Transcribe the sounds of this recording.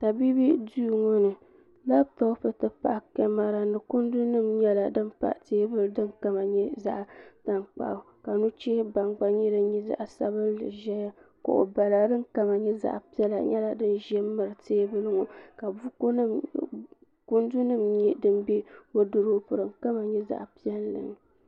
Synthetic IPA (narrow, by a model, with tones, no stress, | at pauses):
ta˨bi˦bi˦duː˦˨ŋo˦nɨ˨ | la˦bta˦pɨ˨tɨ˨pa̰˨ʔkɛ˦ma˦ɾa˨nɨ˨kʊ˦ndu˦nɨ˦mɲɛ˦la˨dɨ˦npa̰˨ʔteː˦bɨ˦ldɨ˦nka˨ma˨ɲɛ˦za̰˦ʔta˨nk͡pa̰˨ | ka˨nu˦t͡ʃɛ˦ba˨ŋɡ͡ba˦ɲi˦dɨ˦ɲɛ˦za̰˦˨ʔsa˦bɨ˦ɨ̰˨ʒɛ˦ja˦ko̰˨ʔo̰˨ba˨la˨dɨ˦nka˨ma˨ɲɛ˦za̰˨ʔpi˦ɛ˦la̰˨ɲɛ˦la˨dɨ˦nʒɛ˦mɨ˨ɾɨ˨teː˦bɨ˦lɨ˦ŋu˨ka˨bu˦kn˦ | ku˦ndu˦nɨ˦mɲɛ˦dɨ˦nbe˦o˦dɨ˦ɾo˦pɨ˨ɾɨ˨ŋ˨ka˦ma˨ɲɛ˦za̰˨ʔpi˦ɛ˦lːɨ̰˨nɨ˨